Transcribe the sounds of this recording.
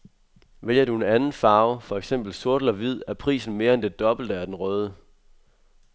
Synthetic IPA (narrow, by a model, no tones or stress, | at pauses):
ʋeljɐd̥ue̝nænn̩fɑ̈ːʊfɒ̽eɡ̥sem̰b̥l̩so̝ɐd̥l̩ɒʋið̞̰ˠæɐpʰʁḭːsn̩me̝ːɐend̥e̝d̥ɒ̽b̥l̩d̥əæɐd̥enʁœːð̞ˠə